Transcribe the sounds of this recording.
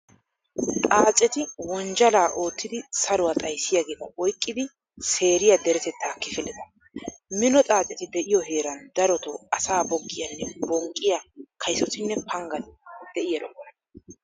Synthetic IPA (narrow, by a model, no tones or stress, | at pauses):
t̪ʼaːt͡sʼɛt̪ɪwɔnd͡ʒɐlaːʔo̞ːt̪ːɪd̪ɪsɐɾʊwat̪ʼɐjsːɪjaɡe̞ːt̪ɐʔɔjkʼːɪd̪ɪ | se̞ːɾɪjɐd̪ɛɾɛt̪ɛt̪ːaːkɪfɪlɛt̪ɐ | mɪnɔt̪ʼaːt͡sʼɛt̪ɪd̪ɛʔɪjɔɦe̞ːɾɐnd̪ɐɾɔt̪ɔɐsaːbɔɡːɪjɐnːɛbɔŋkʼːɪjakʰɐjsɔt̪ɪnːɛpʰɐŋɡɐnd̪̥ɛʔɪjɐɾɔ̰knɐ